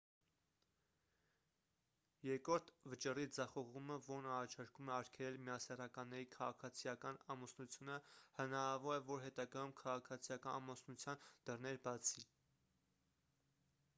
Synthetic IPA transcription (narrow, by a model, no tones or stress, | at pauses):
jɛɾkɾɔɾt̪ʰvət͡ʃərid͡zɑχɔʁuməvɔɾnɑrɑt͡ʃʰɑɾkumɛɑɾkʰɛlɛlmijɑsɛrɑkɑnːɛɾikʰɑʁɑkʰɑt͡sʰijɑkɑnɑmusnut͡sʰjunəhənɑɾɑvɔɾɛvɔɾɦɛt̪ɑɡɑjumkʰɑʁɑkʰɑt͡sʰijɑkɑnɑmɔsnut͡sʰjɑnd̪̥ərnɛɾbɑt͡sʰi